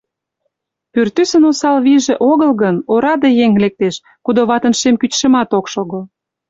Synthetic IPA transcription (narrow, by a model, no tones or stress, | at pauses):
pyrt̪ysənosɑlβiʒĕʔoɣəlɣənoɾɑd̪ejeŋlek̚t̪eʃ | kud̪oβɑt̪ənʃemkytʃə̆mɑt̪okʃoɣəl